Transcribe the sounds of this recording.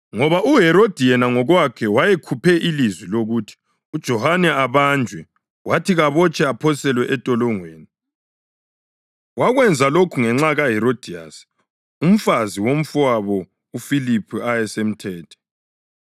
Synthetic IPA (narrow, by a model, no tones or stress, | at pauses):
ŋɔβaʔuɦɛɾod̥ʱijɛnaŋɔɣwakʰɛwajekʰupʰɛʔilizwiloɣutʰi̥ | ud̥ʒ̥ʱɔhanɛaβand͡ʒʱwɛ | watʰiɣaβɔt͡ʃʰʼɛapʰɔsɛlwɛʔɛtʼɔlɔŋweːni | waɣwɛnd͡zʱalokʰuŋɛŋ͡ǁaɣaɦɛɾod̥ʱija̰s | um̩faziwom̩fuwaβɔ | ufilipʰuajɛsem̩tʰɛːtʰɔ̥